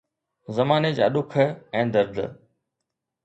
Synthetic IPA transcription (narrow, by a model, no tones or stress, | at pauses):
zɐmaːned͡ʑa̰ːɗʊkʰə̆ɛ̃ːd̪ɐɾd̪ʱə̰